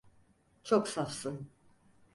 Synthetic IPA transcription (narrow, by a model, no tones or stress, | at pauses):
t͡ʃʰoksafsɯn